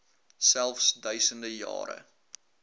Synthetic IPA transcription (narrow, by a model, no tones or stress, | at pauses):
sælˠfsdœɥsəndəjɑ̰ːɾə̰